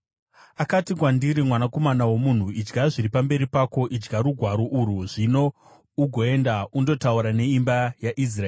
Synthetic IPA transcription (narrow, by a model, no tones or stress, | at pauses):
akatikwandiɾimwanako̞manawo̞mun̤uid͡ʒɡaʐiɾipambe̞ɾipako̞ʔid͡ʒɡaɾuɡʱwaɾo̞ʔuɾuʐino̞ | uɡʱo̞e̞ndaundo̞tauɾane̞imbajaʔis̬rae